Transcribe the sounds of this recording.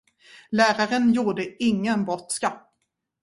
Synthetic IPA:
læːɾaɾənjuːɖəɪŋːənbɔt̪ska

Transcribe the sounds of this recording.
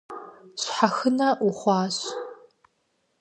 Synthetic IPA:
ɕħaxɨnɐʔʊχʷɑːɕ

